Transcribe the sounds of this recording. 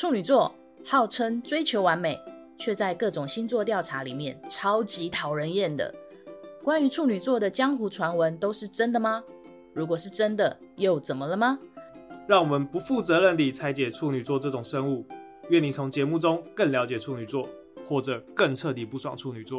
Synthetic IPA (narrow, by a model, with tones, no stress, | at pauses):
ʈ͡ʂʰu˥˩ny˨˩t͡swɔ˥˩ | hɑ˥˩ʊʈ͡ʂʰə˥ŋt͡swe˥ɪt͡ɕʰjo˧˥ʊwa˧˥nme˨˩ɪ | t͡ɕʰɥɛ˥˧t͡sa˥˧ɪkɤ˥˩ʈ͡ʂʊ˨˩ŋɕi˥nt͡swɔ˥˧t̪jɑ˥˩ʊʈ͡ʂʰa˧˥li˨˩mjɛ˥˨nʈ͡ʂʰɑ˥ʊt͡ɕi˧˦˥t̪ʰɑ˨˩ʊɻə˧˥njɛ˥˩nd̪ə̰˩ | kwa˥ny˧˥ʈ͡ʂʰu˥˩ny˨˩t͡swɔ˥˩d̪ə˨t͡ɕjɑ˥ŋxu˧˥ʈ͡ʂʰwa˧˥nwə˧˦nt̪o˥ʊʂɻ̩˥˩ʈ͡ʂə˦nd̪ə˨mɐ˨ | ɻu˧˥k̬wɔ˨˩ʂɻ̩˥˩ʈ͡ʂə˦˥nd̪ə˨jo˥˩ʊt͡sə˨˩nmə˦lə˨mɐ˨ɻɑ˥˩ŋwɔ˨˩mə˨˦npu˧˦fu˥˨t͡sɤ˧˦ɻə˥˧nt̪i˨˩t͡sʰa˧˥ɪt͡ɕjɛ˨˩ʈ͡ʂʰu˥˩ny˨˩t͡swɔ˥˧ʈ͡ʂɤ˥˩ʈ͡ʂʊ˨˩ŋʂə˥ŋu˥˨ | ɥɛ˥˩ni˨˩t͡sʰʊ˧˦˥ŋt͡ɕjɛ˨˧˥mu˥˨ʈ͡ʂʊ˥˦ŋkə˥˩nljɑ˧˥ʊt͡ɕjɛ˨˩ʈ͡ʂʰu˥˩ny˨˩t͡swɔ˥˩ | xwɔ˥˩ʈ͡ʂɤ˨˩kə˥˧ŋʈ͡ʂʰɤ˥˧t̪i˨˩pu˥˧˩swɑ̰˥˩ŋʈ͡ʂʰu˥˩ny˨˩t͡swɔ˥˨